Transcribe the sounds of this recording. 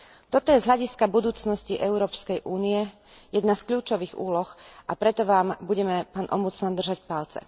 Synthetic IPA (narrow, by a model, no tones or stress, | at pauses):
t̪ɔt̪ɔjɛzɦʎaɟiskabud̪uːt͡snɔsciʔɛʊɾɔːpskɛjʔuːniɛ | jɛd̪naskʎuːt͡ʃɔʋiːɣṵːlɔxʔapɾɛt̪ɔʋaːmbuɟɛmɛpaːnʔɔ̰mbut͡smand̪r̩ʒacpalt͡sɛ̰